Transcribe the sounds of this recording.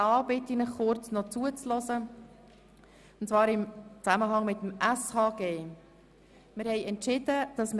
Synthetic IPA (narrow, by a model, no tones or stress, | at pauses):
ɑːbɪtinəχχʊɾt͡snɔt͡suət͡slɔzə | ʊntt͡svɑːɾɪmt͡sæməɦɑŋmɪt̪əm̩æshɑːɡeː | mɪɾhɛɪɛntt͡ʃɪd̥̪əd̥ɑsmə